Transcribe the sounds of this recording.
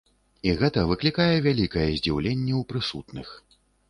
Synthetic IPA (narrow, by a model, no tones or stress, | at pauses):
iɣɛt̪ɐvɨklʲikajɛvʲalʲikɐjɛzʲd͡zʲiwlʲenʲːɛwpɾɨsut̪nɨx